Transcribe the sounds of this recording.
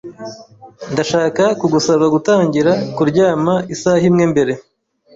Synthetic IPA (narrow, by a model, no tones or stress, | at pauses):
ndaʃaːkakuɡusaβaɡutaːɲɟiɾakuɾɟaːmaisahimŋe̞mbe̞ɾe̞